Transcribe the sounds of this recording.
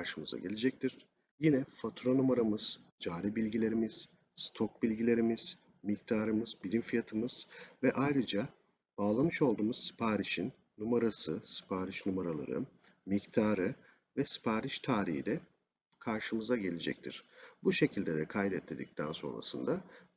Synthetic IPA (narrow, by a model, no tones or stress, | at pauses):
aɾʃɯmɯza̰ɟe̞lʲed͡ʒɛc̚t̪ʰiɾ̥ | jinɛfat̪ʰɾonumaɾamɯz̥d͡ʒaːɾibilʲɟilʲe̞ɾimiz̥ | st̪ʰok̚bilʲɟilʲe̞ɾimiz̥ | mic̚t̪ʰaːɾɯmɯzbilʲimfijat̪ʰɯmɯz̥vɛʔajɾɯd͡ʒa | b̥aːlˠamɯʃo̞lˠd̪uːmuz̥si̥pʰaːɾiʃinːumaɾasɯsi̥pʰaːɾiʃnumaɾalˠa̰ɾɯ̰ | mict̪ʰaːɾɯ | vɛsi̥pʰaːɾiʃt̪ʰaːɾḭhḭd̪ɛ | kʰaɾʃɯmɯzaɟe̞lʲed͡ʒɛ̰c̚t̪ʰḭɾ̥buʃe̞cʰilʲd̪ed̪ɛkʰajd̪ɛt̪ʰːʲed̪ḭc̚t̪ʰæ̰nso̞̰nɾa̰sɯ̰nd̪a